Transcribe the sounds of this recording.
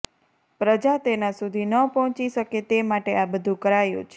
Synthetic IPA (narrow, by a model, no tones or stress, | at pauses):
pɾəd͡ʒat̪enasud̪ʱinəpɔɦɔ̃t͡ʃiʃəket̪emaʈeabəd̪ʱũkəɾajṵ̃t͡ʃʰ